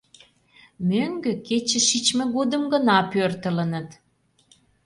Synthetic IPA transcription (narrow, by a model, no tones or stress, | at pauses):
møŋɡøket͡ɕə̆ʃit͡ɕmĕɣod̪əmɡənɑpørt̪ələ̆nə̆t̪